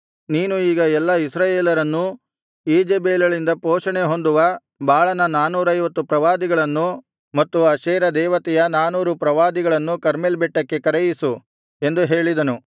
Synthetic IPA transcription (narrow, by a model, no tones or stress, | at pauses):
niːnuiːɡɐɛlːɐisɾaːjeːlɐɾɐnːu | iːd͡ʒeːbeːlɐɭind̪ɐpoːʂɐɳeɦo̞nd̪uʋɐ | bʱaːɭɐnɐnaːnuːɾɐjʋɐt̪ːupɾɐʋaːd̪iɡɐɭɐnːu | mɐt̪ːuɐʃɛːɾɐd̪ɛːʋɐt̪ɛjɐnaːnuːɾupɾɐʋaːd̪iɡɐɭɐnːukɐɾmelbɛʈːɐkːe̞kɐɾɛjisu | e̞nd̪uɦe̞ːɭid̪ɐnu